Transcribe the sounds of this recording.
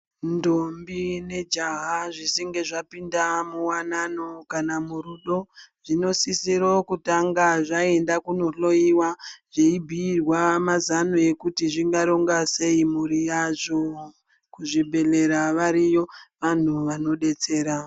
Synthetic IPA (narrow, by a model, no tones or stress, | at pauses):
ndombine̞d͡ʒaɦaʐisiŋɡe̞ʐapindamuwanano̞kanamuɾuɗo̞ʐino̞sisiɾo̞kutaŋɡaʐae̞ndakunoɬo̞iwaʐeibʱiːrwamazanoe̞kutiʐiŋɡaɾo̞ŋɡase̞imuɾijaʐo | kuʐibʱe̞le̞ɾaʋaɾijo̞ʋan̤uʋano̞ɗe̞t͡se̞ːɾa